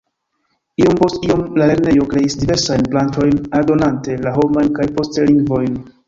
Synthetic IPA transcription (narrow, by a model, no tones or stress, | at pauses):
io̞mpo̞stio̞mlale̞ɾne̞jo̞kɾe̞isdive̞ɾsajnplanto̞jnaɾdo̞nante̞laɦo̞majnkajpo̞stliŋɡvo̞jn